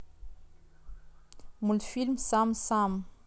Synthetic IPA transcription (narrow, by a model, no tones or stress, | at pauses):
mulfilmsamsam